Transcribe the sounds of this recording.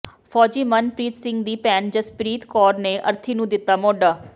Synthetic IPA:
fʰɔːd͡ʒiːmənpɾiːt̪sɪ̃ŋɡd̪iːpɛːnd͡ʒəspɾiːt̪kɔːɾneːʔə̰ɾt̪ʰiːnũːd̪ɪt̪ːaːmɔːɖaː

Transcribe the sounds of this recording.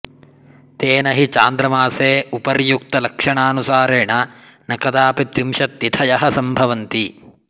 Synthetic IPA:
t̪eːnɐɦit͡ʃa̰ːnd̪ɾɐmaːseːupɐɾjuk̚t̪ɐlɐkʂɐɳaːnusaːɾeːɳɐ | nɐkɐd̪aːpit̪ɾimʃɐt̪ːit̪ʰɐjɐɦɐsɐmbʱɐʋɐnt̪i

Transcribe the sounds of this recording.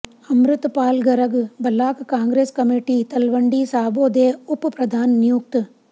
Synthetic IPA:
ɐmɾɨt̪paːlɡɐɾɐɡbɐlːaːkkaːŋɡɾeːskɐmiʈit̪ɐlʋɐɳɖiːsaːboːd̪eːupːɐpɾɐd̪ʱaːnnjuːk̚t̪

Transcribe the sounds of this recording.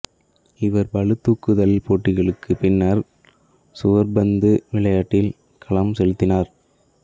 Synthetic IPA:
ɪʋɐɾbɐɭɯt̪ːuːkːɯðɐlpoːʈːɪɣɐɭɯkːɯpɪnːɐɾ | sʊʋɐɾbɐnd̪ɯʋɪɭɐjaːʈːɪl | kʰɐɭɐmsɛɻɯt̪ːɪnaːɾ

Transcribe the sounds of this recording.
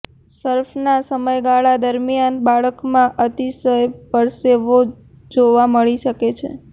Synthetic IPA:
səɾfnasəməjɡaɭad̪əɾmijanbaɭəkmãʔət̪isəjpəɾseʋo | d͡ʒoʋaməɭiʃəket͡ʃʰḛ

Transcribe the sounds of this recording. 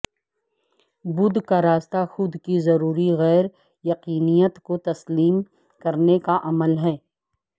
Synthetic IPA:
bʊd̪ʱkaɾaːst̪axʊd̪kizɐɾuːɾiɣɛːɾ | jɐqiːnijət̪kot̪ɐsliːm | kɐɾnekaʔɐməlɦɛː

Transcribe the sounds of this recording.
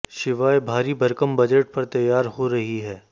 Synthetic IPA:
ʃɪʋaːebʱaːɾibɐɾkəmbɐd͡ʒeʈ̚pɐɾt̪ɐjːaːɾɦoɾɐɦiɦɛː

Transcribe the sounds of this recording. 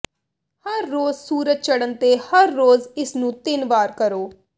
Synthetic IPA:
həɾːoːzsuːɾət̪̚t͡ʃəɽənt̪eːhəɾːoːzɪsnũːt̪ɪnʋaːɾkəɾoː

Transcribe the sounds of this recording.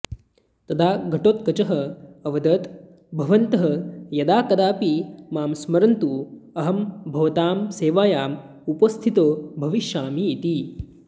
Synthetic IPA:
t̪ɐd̪ʰaːɡʱɐʈoːt̪̚kɐt͡ʃɐɦɐɐʋɐd̪ɐt̪ | bʱɐʋɐnt̪ɐɦɐjɐd̪aːkɐd̪aːpimaːmsmɐɾɐnt̪uɐɦɐmbʱɐʋɐt̪aːmseːʋaːjaːm | upɐst̪ʰit̪oːbʱɐʋiʃjaːmiːt̪i

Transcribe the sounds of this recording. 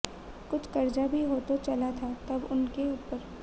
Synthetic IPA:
kʊt͡ʃʰkɐɾd͡ʒabʱiɦoːt̪ot͡ʃɐlat̪ʰat̪ɐbʊnkeuːpəɾ

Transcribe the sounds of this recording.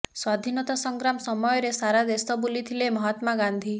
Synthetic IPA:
swad̪ʱinɔt̪asɔŋɡɾamsɔmɔjɔɾesaɾad̪esɔbulit̪ʰilemɔɦɔt̪maɡand̪ʱi

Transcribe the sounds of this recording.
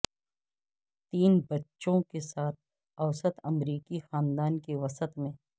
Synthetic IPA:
t̪iːnbɐtːʃõkesaːt̪̚ʰ | ɐwsət̪ɐmɾiːkixaːnd̪aːnkeʋɐsət̪mẽː

